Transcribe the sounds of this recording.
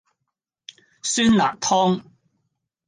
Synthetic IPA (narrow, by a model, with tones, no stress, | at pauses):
syː˥nla̰ː˨k̚t̪ʰɔː˥ŋ